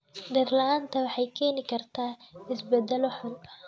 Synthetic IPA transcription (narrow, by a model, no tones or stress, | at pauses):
ɖɐrlɐaːnt̪ʰɐwɑħɑjkʰɛːnɪkʰɐrt̪ʰaːɪsbɛd̪ɛlɔħʊnɐ